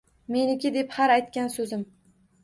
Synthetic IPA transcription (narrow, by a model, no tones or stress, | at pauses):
me̞nɪkʲɪd̪e̞phaɾajt̪kʲansɵzɪm